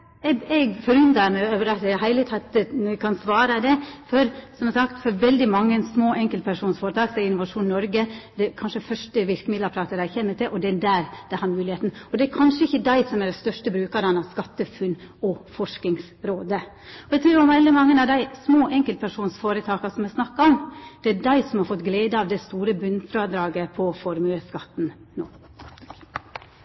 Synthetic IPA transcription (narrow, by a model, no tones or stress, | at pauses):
ɛɛɡfɔɾʉnd̪ɑmɛøʋəɾɛt̪ɛɦæɪlət̪ʰɑt̪əɛkʰɑnsʋɑːɾəd̪ɛfɔɾsɔmhɛsɑkt̪fɔɾʋɛld̪ɪmɑŋːənsmoːʔɛŋkəlpʰæʂuːnsfoːɾət̪ɑːksɔɛɾɪnʊʋɑʂuːnnɔɾɡəd̪ɛkʰɑnʂəfœʂʈəʋɪɾkəmɪd̪lɑɾpʰɾɑːt̪əɾæɪçɛmːət̪ɪlʔɔd̪ɛæd̪æːɾd̪̥ɛhæːɾmʉːlɪheːt̪nɔd̪ɛæɾkʰɑnʂəɪçːəd̪æɪsɔmæɖæst̪œʂʈəbɾʉːkɑɾɑnɑʋskɑt̪ːəfʉnː | ɔfɔʂknɪŋs | ɾoːd̪ə | ɔɛɡt̪ʰɾʉːɾɔmʋæld̪əmɑŋːənɑʋd̪æɪsmoːʔɛŋkəlt̪̚pʰæʂuːnsfoːɾət̪ʰɑːkɑsɔmɛsnɑkːɑɔmd̪̥ɛædæɪsɔmhɑɾfɔt̪ɡleːd̪əɑʋd̪ɛst̪uːɾəbʉnfɾɑːd̪ɾɑːɡəpʰɔfɔɾmʉəskɑt̪ːnno̰ː